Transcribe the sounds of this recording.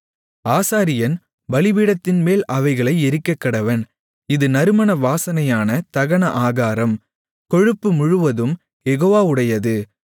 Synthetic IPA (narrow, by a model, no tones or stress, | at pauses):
aːsaːɾɪjɐn | bɐlɪʋiɽɐt̪ːɪnmeːlɐʋɐɪɣɐɭɐɪɛɾɯkːɐkːɐɽɐʋɐn | ɪðɯnɐɾɯmɐnɐʋaːsɐnɐjaːnɐt̪ɐɣɐɳɐʔaːɣaːɾɐm | kɔɻɯpːɯmʊɻɯʋɐðɯm | jɛɣoːʋaːʊɽɐjɐðɯ